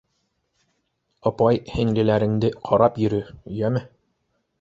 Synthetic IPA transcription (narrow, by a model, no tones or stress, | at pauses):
ɑpɑjhɘ̆ŋlɘ̆læɾɘ̆ŋd̪ɘqʰɑɾɑpjɵ̆ɾɵɵ̆jæmɘ